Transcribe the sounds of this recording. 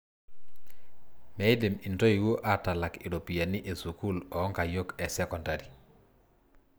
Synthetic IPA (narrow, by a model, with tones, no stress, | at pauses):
mɛ˨ɪ˦de˨mi˨nto˦i˨wo˦ʔa˦ta˨la˨kɪ˨ɾo˨pi˨ja˨ni˦ʔe˨su˨ku˦lɔɔ˦ŋka˨jo˦kɛ˨sɛ˦kɔ˨nda˨ɾi˨